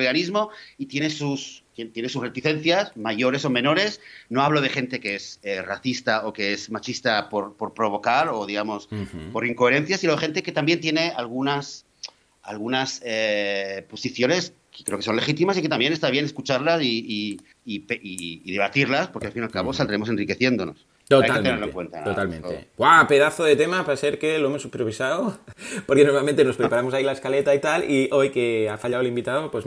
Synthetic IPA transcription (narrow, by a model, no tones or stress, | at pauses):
eɣanizmo̞it̪je̞nesust̪t̪je̞nes̬usre̞t̪iθe̞n̟θjasmaʝo̞ɾe̞somẽ̞no̞ɾe̞sno̞aβ̞loð̞e̞xe̞nt̪e̞kee̞seraθist̪aokeezmat͡ʃist̪apo̞ɾpo̞ɾpɾo̞β̞o̞kaɾoð̞iɣamo̞spo̞ɾiŋkoeɾe̞n̟θjasinoexe̞nt̪eke̞t̪ambje̞nt̪je̞ne̞alɣ̞unas | alɣ̞unasepo̞siθjo̞ne̞s | kekɾeko̞nle̞xit̪imas̬iket̪ambje̞nest̪aβje̞neskut͡ʃaɾlasiː | piːðe̞β̞at̪iɾlaspo̞ɾke̞alfinalkaβo̞sald̪ɾe̞mo̞se̞nrike̞θjend̪o̞no̰s | t̪oaet̪eneɾloŋkwe̞̰nt̪a̰ot̪almḛ̃noḛɡwape̞ðaθoðe̞t̪e̞mapaseɾke̞lo̞emosupeɾβisaopoɾkenoɾmalmẽnt̪eno̞spɾepaɾamoailaeskale̞t̪ait̪aliʔo̞jkeafaʎaoelimbit̪aðopwez